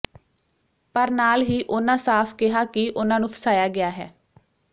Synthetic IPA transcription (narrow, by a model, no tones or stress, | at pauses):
pəɾnaːlɦiːʔʊnãːsaːpʰkɪɦaːkɪʔʊnãːnũːpʰə̥saːjaːɡɪaːɦɛ̰ː